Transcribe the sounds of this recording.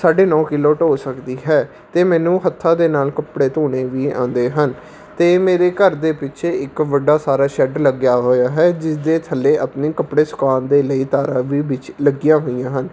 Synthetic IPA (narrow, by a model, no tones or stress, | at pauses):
saːɖeːnɔːkɪloːʈoːsəkd̪iːɦɛː | t̪eːmɛ̃ːnũːɦət̪ʰːãːd̪eːnaːlkəpɽeːt̪oːɽeːʋiːã̰ːnd̪eːɦən | t̪eːmeːɾeːkəɾd̪eːpɪt͡ʃʰeːɪkʋəɖaːsaːɾaːʃɛɖləɡjaːɦoːjaːɦɛːd͡ʒɪsd̪eːt̪ʰəlːeːʔəpniːkəpɽeːsʊ̥kaːnd̪eːləiːt̪aːɾaːʋiːʋɪt͡ʃləɡɪjãːɦoːijãːɦən